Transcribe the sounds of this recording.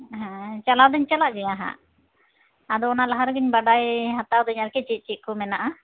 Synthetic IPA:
ɦɛ̃t͡ʃalawd̪ɛɲt͡ʃalaʔd͡ʒɛjaɦã̰ | ad̪ɔɔnalaɦaɾɡiɲbaɖajɦat̪awd̪ɔɲaɾkɛt͡ʃit̪̚t͡ʃit̪̚kɔmɛnaʔa

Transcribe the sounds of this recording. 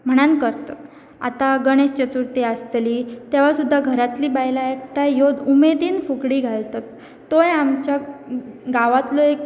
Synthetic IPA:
m̤əɽ̃ankəɾt̪at̪ | a̰t̪aɡəɽ̃est͡ɕət̪uɾt̪iast̪liːt̪eʋ̤asud̪ʱːaɡʱəɾat̪liːbajlaekʈajjod̪umed̪iːnfukɽiːɡʱalt̪at̪ː | ojamt͡ɕja | ɡaʋat̪loek

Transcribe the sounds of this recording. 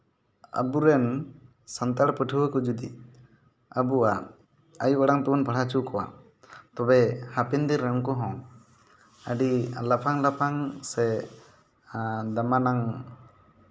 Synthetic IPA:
ə̰buɾɛn | sant̪aɽpəʈʰuwəkɔd͡ʒud̪i | əbua | ajuwaɽaŋt̪ɔbanpəɽat͡ʃukɔwa̰ | t̪ɔbɛhapɛnd̪iɾːɛŋkɔɦɔ̃ | əɖilapʰaŋlapʰaŋsɛ | d̪amanaŋ

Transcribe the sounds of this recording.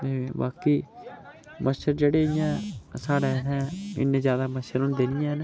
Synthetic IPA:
eba̰ːkiː | məʃəɾd͡ʒeːɽeːɪjãːsaːɽɛːɦɛ̃ːɪ̰nːeːzjaːd̪aːməʃəɾɦʊ̃nd̪eːnɪjãːɦn

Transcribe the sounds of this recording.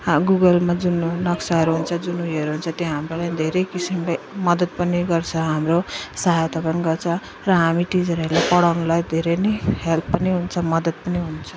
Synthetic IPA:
ɡuɡʌlmad͡zunnʌksaɦʌɾuɦunt͡sʰʌd͡zunuiʌɾuɦunt͡sʰʌt̪joɦamrolajd̪ʱeɾʌjkisimlej | mʌd̪ʌd̪̚pʌniɡʌrt͡sʰʌɦamrosaɦajt̪ʌbʌnɡʌrt͡sʰʌ | rʌɦamiʈid͡zʌɾelajpʌɽawnulajd̪ʱeɾejnehelpʰːʌniɦunt͡sʰʌmʌd̪ʌd̪̚pʌniɦunt͡sʰʌ

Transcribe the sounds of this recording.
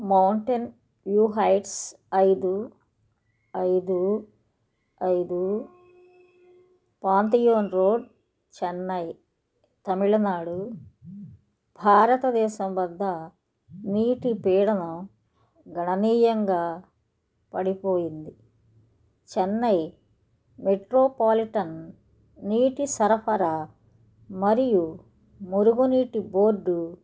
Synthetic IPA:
mɐwɳʈen | ʋjuːɦɐjʈs | ɐjd̪u | ɐjd̪u | ɐjd̪u | paːnt̪̬ijoːnɾoːɖ | t͡ʃɛnːɐj | t̪ɐmiɭɐnaːɽu | bʱaːɾɐt̪ɐd̪ɛːʃɐmʋɐd̪ʱːɐ | niːʈipiːɽɐnɐm | ɡɐɳɐniːjɐŋɡaː | pɐɽipo̞ːjind̪i | t͡ʃɛnːɐj | meʈɾoːpaːliʈɐnː | iːʈisɐɾɐpʰɐɾa | mɐɾiju | moɾuɡoniːʈiboːɾɖːu

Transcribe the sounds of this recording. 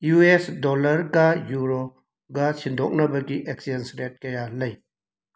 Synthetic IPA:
juesdɔlɐɾɡajuɾo | ɡɐsind̪ʱɔk̚nɐbɐɡiʔek̚sidensɾet̚kɐjalɐj

